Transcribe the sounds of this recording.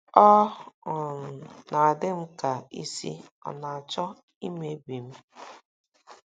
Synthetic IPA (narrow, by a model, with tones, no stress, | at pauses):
ɔ˦˨ | na˨a˨dɪ˦m̩˦ka˨ḭ˦sḭ˦ | ɔ̰˨na˨a˨t͡ʃɔ˦ | i˦me˦bi˨m̩˦